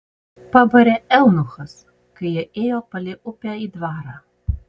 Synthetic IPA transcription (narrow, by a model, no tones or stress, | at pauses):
pɐbɐɾʲɛɛlˠnʊxɐs | kɐɪjɛʔeːjoːpɐlʲɪʔʊpʲæiːd̪ʋɑːɾɑː